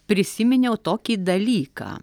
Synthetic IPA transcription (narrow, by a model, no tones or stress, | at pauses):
pʲɾʲɪsʲɪmʲɪnʲɛʊt̪oːkʲiːd̪ɐlʲiːkɑ̰ː